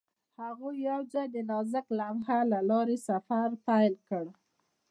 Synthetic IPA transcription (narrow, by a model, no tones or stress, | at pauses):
haɣujawd͡ʒajd̪ənɑzəklamhalalɑɾesafaɾpajlkəɽ